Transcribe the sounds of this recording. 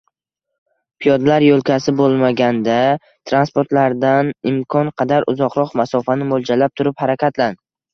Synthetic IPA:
pʰijɒd̪laɾjolˠkʲʰasɪbolˠmaɡʲand̪a | t̪ʰɾanspoɾt̪laɾd̪anɪmkʰɒnqʰɑd̪aɾʔʊ̰zɒqɾɒqmasɒfanɪmolˠd͡ʒalap̚t̪ʰʊɾɪphaɾakʲʰat̪lan

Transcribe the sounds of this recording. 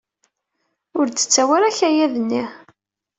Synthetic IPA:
ʊɾd̪ə̥t͡sːæwæɾæçæjæðənːi

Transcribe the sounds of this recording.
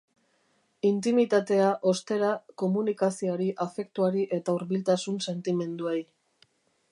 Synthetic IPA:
int̪imit̪at̪e̞aʔo̞st̪e̞ɾako̞munikasioaɾiʔafe̞kt̪uaɾiʔe̞t̪auɾβilt̪asunse̞nt̪ime̞nd̪uej

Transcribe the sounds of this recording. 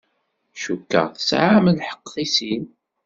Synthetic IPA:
ʃukːə̰ʁθə̥sʕaməlħə̥qːθisin

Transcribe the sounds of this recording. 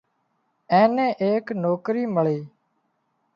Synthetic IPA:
ɛ̃ːnẽːʔeːknoːkɾiːməɭiː

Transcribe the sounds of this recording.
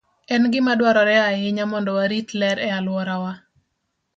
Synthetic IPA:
ɛnɡɪmadwaɾɔɾɛaɪɲamɔndɔwaɾit̪lɛɾɛalwɔɾawa

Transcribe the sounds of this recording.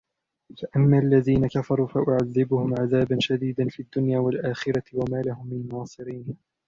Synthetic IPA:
faʔamːaːʔalːaðiːnakafɑɾˤuːfaʔʊʕaðːɪbʊhʊmʕaðaːbanʃad̪iːd̪anfiːd̪ːʊnjaːwalʔaːxɪɾˤɑwamaːlahʊmːɪnnɑːsˤɨɾiːn

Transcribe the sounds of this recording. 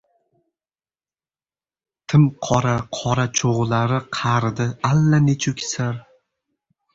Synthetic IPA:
t̪ʰɪmqʰɒɾaqʰɒɾat͡ʃʰoʁlaɾɪqʰɑɾd̪ɪalːanet͡ʃʰʊkʲʰɪ̥saɾ

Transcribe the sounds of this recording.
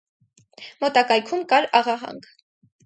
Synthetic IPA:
mɔt̪ɑkɑjkʰumkɑɾɑʁɑɦɑ̰ŋɡ

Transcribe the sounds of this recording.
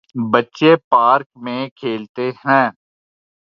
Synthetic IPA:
bətːʃepaːɾkmẽkʰeːlt̪ehɛ̃ː

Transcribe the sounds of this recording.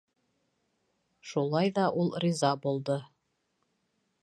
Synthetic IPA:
ʃulˠɑjðɑʔulˠrʲizɑbulˠd̪ɤ

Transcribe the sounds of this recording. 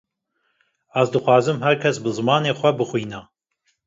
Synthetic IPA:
æzd̪ɨxʷwɑːzɨmhɛɾkʰɛsbɨzɨmɑːneːxʷɛbɨxʷiːnɑː

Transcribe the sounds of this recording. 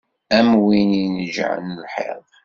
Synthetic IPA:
æmwininəʒ̰ʕ̰nəlħḛðˤ

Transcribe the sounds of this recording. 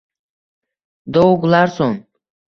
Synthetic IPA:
d̪owɡlˠaɾsoŋ

